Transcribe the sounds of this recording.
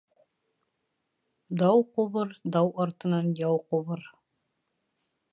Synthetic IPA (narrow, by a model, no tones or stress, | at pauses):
d̪ɒwquβɤɾd̪ɑwɒɾt̪ɤ̆nɑnjɑwquβɤɾ